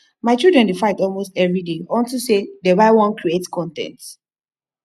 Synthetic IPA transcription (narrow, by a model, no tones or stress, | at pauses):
maɪt͡ʃildɹɛ̃ndefaɪtɔlmostɛvɹideɔ̃ntusedɛbaɪwɔ̃nkʰɹietskʰɔ̃ntɛ̰̃nt